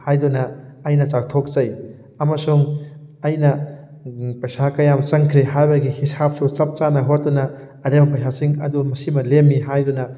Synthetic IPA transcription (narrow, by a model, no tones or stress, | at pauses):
hajdunɐːjnɐt͡ʃak̚tʰok̚zɐj | ɐmɐsuŋ | ɐjnɐ | pɐjsakɐjamt͡ʃɐŋkʰɾeɦajbɐɡihisap̚sut͡ʃɐp̚t͡ʃanɐɦot̚dunɐː | ɾemɐpɐjsʰasiŋɐ̰dumɐsimɐlemːiɦajdunɐ